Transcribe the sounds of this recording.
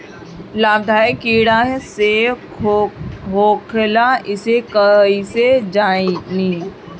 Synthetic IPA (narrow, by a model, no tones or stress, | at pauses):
laːb̚d̪ʱaːikiːɽaɦɛse | ɦoːkʰlaʔɪsekəised͡ʒaːiniː